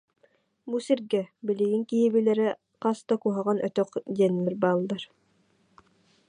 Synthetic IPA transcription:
busiɾɡɛbiliɡiŋkiɦibilɛɾɛ | qast̪akuɦaʁanʔœt̪œqd̪iɛnːɛɾbaːlˠːaɾ

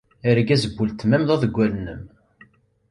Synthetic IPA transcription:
iɾæɡæzəbːult̪mæmðˤɑðəɡʷːælnːəm

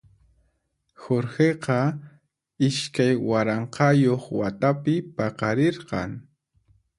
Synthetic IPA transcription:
xoɾxeqɑ | ɪʃkajwaɾɑɴqɑjoχwat̪apɪpɑqɑɾeɾqɑ̰ŋ

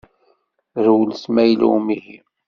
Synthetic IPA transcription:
ɾwlsmæjlṵwmihḭ

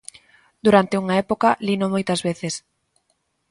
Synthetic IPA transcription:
d̪uɾant̪euŋaɛpokalinomojt̪ɐzβeθes

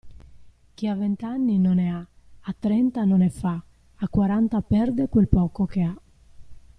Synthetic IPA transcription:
k̟iavːent̪anːinonɛaat̪ːɾɛnt̪anonɛfa | akːwaɾant̪apɛrd̪ekwelpɔːkokea

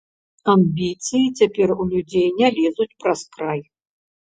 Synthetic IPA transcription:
amʲbʲit̪sɨjit͡sʲapʲɛrulʲud͡zʲejnʲalʲɛzut͡sʲpɾaskɾaj

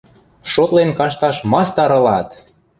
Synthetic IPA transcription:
ʃot̪lenkɑʃ̬t̪ɑʃmɑst̪ɑɾɤ̆lɑt̪

